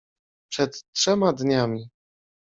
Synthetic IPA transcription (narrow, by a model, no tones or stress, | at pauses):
pʂɛt̪ːʂɛmad̪ɲamʲi